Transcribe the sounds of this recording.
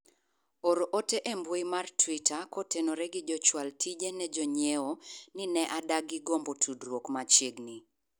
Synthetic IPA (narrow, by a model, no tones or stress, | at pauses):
oɾoʔoteʔembwoimartwitakotenoɾɛɡɪd͡ʒɔt͡ʃwaltʰid͡ʒenɛd͡ʒɔɲewonɪnɛʔadaɡɪɡombotʰudɾwokmat͡ʃjeɡni